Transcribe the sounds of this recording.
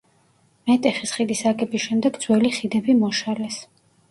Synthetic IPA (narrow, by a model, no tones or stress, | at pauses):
mɛt̪ʼɛχisχid̪isakʼɛbisʃɛmd̪ɛɡd̪zwɛliχid̪ɛbimɔʃalɛs